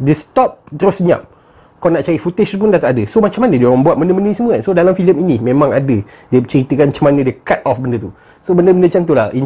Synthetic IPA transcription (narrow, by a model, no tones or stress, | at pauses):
dəst̪ɔp̚d̪ɾosəɲã̰p̚ | kɔnaʔt͡ʃaɾifut̪esp̬undat̪atadəsomat͡ʃamːanədiəməŋbuat̪̚məndəmənəsəmuəkansodalamfiləminimẽmãŋadə | diət͡ʃəɾit̪əkanmat͡ʃamanə̃dəkat̪̚ɔfbəndət̪u | sobəndəbəndət͡ʃant̪̬ulahin